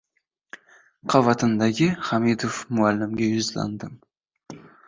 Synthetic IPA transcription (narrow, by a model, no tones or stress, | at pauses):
qʰɑvɑt̪ɨnd̪ɑɡʲɪχamid̪ofmʊalːɪmɡʲejʊzlˠɑ̰nd̪əm